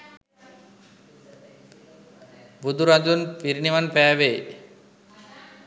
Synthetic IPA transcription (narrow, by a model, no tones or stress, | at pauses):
bud̪ʱuɾad͡ʑonpiɾnimanpɛaβe